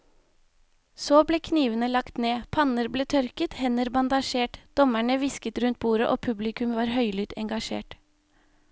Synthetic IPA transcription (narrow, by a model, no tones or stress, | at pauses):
soːbleːkʰniːʋənəlɑkt̪neːpʰɑnəɾbleːt̪ʰœɾkət̪hɛnəɾbɑnd̪ɑʃeːʈd̪̥ɔmæɳəʋɪskət̪ɾʉnt̪̚buːɾəʔoːpʰʉblɪkʉmʋɑːɾhœʏlʏt̪ɛŋɡɑʃḛːʈ